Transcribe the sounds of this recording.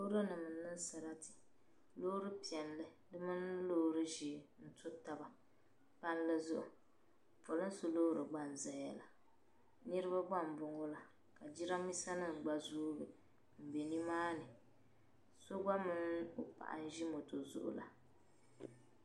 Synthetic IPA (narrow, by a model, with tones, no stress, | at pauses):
lo˦ɾo˦nɨ˨mɨ˨˦nːɨ˦n˦sa˨ɾa˦tɪ̥˨ | lo˦ɾɨ˦pi˨ɛ˨nlɨ˦dɨ˦mɨ˦n˦lo˦ɾɨ˦ʒi˨n̩˦tʊ˦ta˨ba˨ | pa˦n˦lɨ˦zʊ˦ʔʊ̰˨ | po˨lɨ˦so˦loː˦ɾɨ˨ɡ͡ba˦n˨za˨ja˨la˨ | ni˦ɾɨ˦ba˦ɡ͡ba˦˨m̩˨bʊ˨ŋo˦la˨ | ka˨d͡ʒi˦ɾa˦mi˦sa˦nɨ˦˨ŋ̩˨ɡ͡ba˨zuː˦bɨ˨ | m̩˨be˨ni˦maː˦nɨ˨ | so˦ɡ͡ba˦mɨ˦nʊ˨pa̰˨ʔa̰˨n̩˦ʒi˦mo˨to˨zʊ̰˦ʔʊ̰˨la̰˨